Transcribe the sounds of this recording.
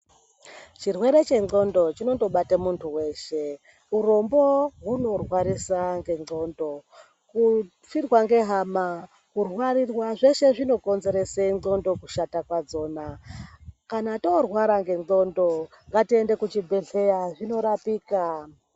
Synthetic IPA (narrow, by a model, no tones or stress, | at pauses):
t͡ʃirwe̞ɾe̞t͡ʃe̞ŋo̞ndo̞t͡ʃino̞to̞ɓatamuntʰuwe̞ːʃe | uɾomboɦuno̞rwaɾisaŋɡe̞ŋ͡ǃo̞ːndo̞ | ku | firwaŋɡe̞ɦama | kurwarirwaʐe̞ʃe̞ʐino̞ko̞nze̞ɾe̞seiŋo̞ndo̞kuʃatakwad͡zo̞ːna | kanatorwaɾaŋɡe̞ŋɡo̞ndo̞ | ŋɡatie̞nde̞kut͡ʃibʱe̞ɮe̞jaʐino̞ɾapiːka